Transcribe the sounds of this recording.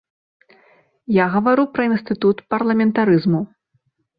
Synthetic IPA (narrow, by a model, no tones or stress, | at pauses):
jaɣɐvaɾupɾɐinst̪ɨt̪ut̪pɐrlˠɐmʲɛnt̪aɾɨzmu